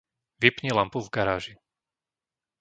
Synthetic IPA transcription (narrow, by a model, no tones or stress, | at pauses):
ʋipɲilampuvɡaɾaːʒi